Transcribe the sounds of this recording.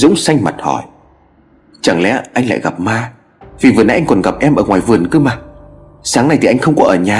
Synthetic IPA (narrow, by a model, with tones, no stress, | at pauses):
zʊ̰˧˥ŋ͡msa˧jŋ̟ma̰˨˩t̚hɔ˧˩j | t͡ɕa˨˧˩ŋlɛ̰˧˥ʔa˧jŋ̟la̰ː˧˨jɣa˨˩p̚maː˧ | vi˨˩vɨ˨˩əna̰˨˦ʔa˧jŋkɔ˨˩nɣa˨˩p̚ʔɛ˧mʔəː˧˩ŋwaː˨˩jvɨ˨˩ənkɨ˧˦maː˨˩ | saː˨˦ŋna˨˩jt̪ʰi˨˩ʔa˧jŋ̟xə˧wŋ͡mkɔ˨˦ʔəː˧˩ɲaː˨˩